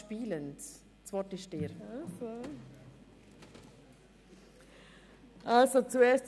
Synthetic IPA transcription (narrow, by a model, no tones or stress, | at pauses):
piːlənt | t͡sʋɔtɪʃteɾafo | ʔalsot͡suɛːst